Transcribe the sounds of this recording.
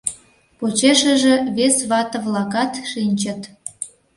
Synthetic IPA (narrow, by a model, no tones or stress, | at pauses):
pot͡ɕeʃəʒĕβesβɑt̪ə̆βlɑkɑt̪ʃinʲt͡ɕə̆t̪